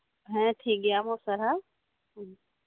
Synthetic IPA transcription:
ɦɛ̃ʈʰiːk̚ɡɪjamõsɐɾa | ɦ

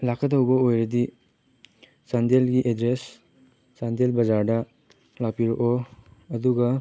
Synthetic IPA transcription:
lakʰɐtɐwbɐojɾɐdi | sandelɡiʔedɾes | sandelbɐzaɾdɐ | lawpiɾoʔoɐduɡɐ

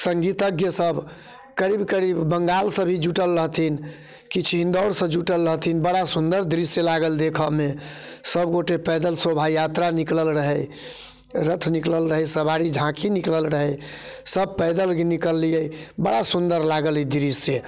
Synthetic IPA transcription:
səŋɡit̪əɡjəsəbʱ | kəɾibkəɾibːəŋɡalsə̃bʱid͡ʒuʈəlɾəɦt̪ʰin | kit͡ʃʰɦĩnd̪ɔɽsə̃d͡ʒuʈəlɾəɦt̪ʰinbəɽasund̪əɾd̪ɾisjəlaɡəld̪ekʰəmesəbɡoʈepəjd̪əlsobʱajat̪ɾanikləlɾəɦəj | ɾət̪ʰnikləlɾəɦəjsəbaɾid͡ʒʱãkinikləlɾəɦəjsəb̚pəd̪əlɡnikəlːijəbəɽasund̪əɾlaɡəlɛd̪ɾisə

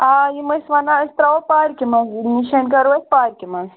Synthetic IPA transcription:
ajimɐsʋanaəst̪ɾaʋɐpaːɾkʲimɐzniʃɐnkɐɾʋɐt̪̚paːɾʲkimɐz

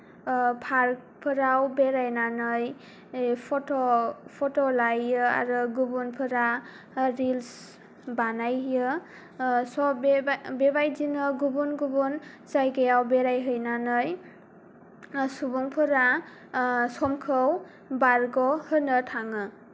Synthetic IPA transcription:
pʰaɾk̚ | pʰɯɾawbeɾajnanɯj | pʰɔtɔpʰɔtɔlajɯa̰ɾɯɡubunpʰɯɾa | ɾils | banajjɯ | sɔbebajzinɯɡubunɡubun | zajɡejawbeɾajɦɯjnanɯj | subuŋpʰɯɾa | sɔmkʰɯw | baɾɡɔhɯnɯtʰaŋɯ

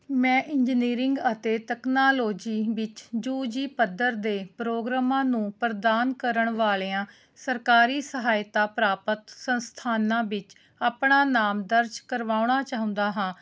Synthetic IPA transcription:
mɛ̃ːʔɪɲd͡ʒniːɾɪŋɡət̪eːt̪ɛːknaːloːd͡ʒiːʋɪt͡ʃd͡ʒuːd͡ʒiːpəd̪əɾd̪eːpɾoːɡɾaːmãːnũːpɾəd̪aːnkəɾəɳʋaːleːãː | səɾkaːɾiːsəɦaːjt̪aːpɾaːpət̪sənst̪ʰaːnãːʋɪt͡ʃ | aːpɳaːnaːmd̪əɾd͡ʒkəɾʋaːʊɳ̃aːt͡ʃaːɦʊ̃nd̪aːɦãː

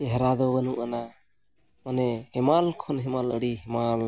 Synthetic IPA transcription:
ɛɦɾad̪ɔbənuʔana | manɛhɛmalkʰɔnɦɛmalə̰ɽiɦɛmal

